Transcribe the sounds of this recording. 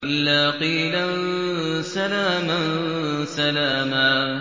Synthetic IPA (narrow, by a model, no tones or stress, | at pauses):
ʔɪlːaːqiːlansalaːmansalaːmaː